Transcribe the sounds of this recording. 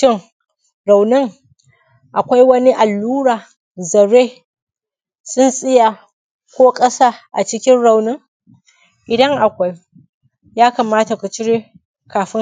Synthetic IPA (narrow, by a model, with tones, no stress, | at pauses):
ɪ˦ŋ | ɾa˨wnɪ˦ŋ | ʔa˨kʷa˦jwɐ˦ni˦ʔa˨lːuː˦ɽaː˨ | zɐ˨ɽeː˦ | sʊ˦nsʼɪ˦ja˨ | kʷoː˦kʼɐ˦sa˦ʔa˨t͡ʃɪ˦kʲɪ˦nɽa˨wnɪ˦ŋ | ʔɪ˨dɐ˦ŋʔa˨kʷa˦j | jaː˦ka˨maː˦ta˨ku˨t͡ʃɪ˦ɽe˦ | kaː˨ɸɪ˦ŋ